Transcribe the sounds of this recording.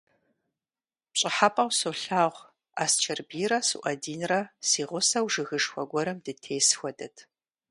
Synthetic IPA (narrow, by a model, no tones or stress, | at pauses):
pɕʼɪħapʼɐwsoɬaːʁʷ | a̰ːst͡ʃʰɐrbiːɾɐsɨ̰ʔɐdiːnrɐsiːʁʷʊsɐwʒɨɣɨʂxʷɔɡʷɔɾɐmdɨtʰeːsxʷɔdɐtʰ